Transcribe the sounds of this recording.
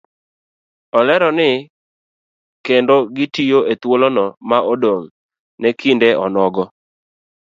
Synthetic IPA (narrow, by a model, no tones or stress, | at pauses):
ɔlɛɾɔnɪ | kendoɡɪtijoʔet̪wolonɔmaʔodoŋ | nɛkindɛʔɔnɔɡɔ